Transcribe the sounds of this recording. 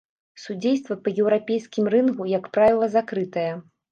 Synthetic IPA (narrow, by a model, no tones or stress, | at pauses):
sud͡zʲejst̪vɐpɐjɛwɾapʲejskʲimrɨnkujɐkpɾavʲilˠɐzakɾɨt̪ɐjɐ